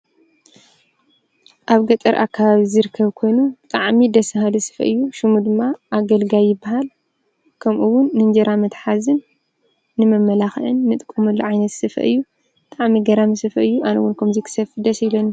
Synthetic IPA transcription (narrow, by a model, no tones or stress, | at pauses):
ʔaβɡɐt̪ʼɐɾʔa̰kːaβaβizɨɾɨkʰːɐβkʰo̞jnubt̪ʼaʕmid̪ɐsɐɦalɨsɨ̥fɐ̰ʔɨjːuʃɨmud̪ɨmːaʔːɡɐlɡajɪbːahal | kʰɐmʔuwʊnːɨnd͡ʒɐɾʔamɐt̪ħazɨnː | ɨmɐmːɐlaxʔɨnmɨt̪ʼkʼːumuluʕajnɐt̪sɨfɐ̰ʔɨjːu | t̪ʼaʕmiɡɐɾamɨsɨfɐʔɨjːuʔanɨwʊnkʰɐmzɐkʰɨ̥sɐfɨd̪ɐsilonu